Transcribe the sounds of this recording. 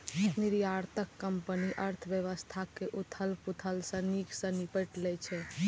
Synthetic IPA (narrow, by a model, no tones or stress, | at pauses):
niɾjaɾt̪əkːəmpəniʔəɾt̪ʰəbjəʋəst̪ʰakeʔut̪ʰəlput̪ʰəlsə̃niksə̃nipəʈlɛt͡ʃʰɛ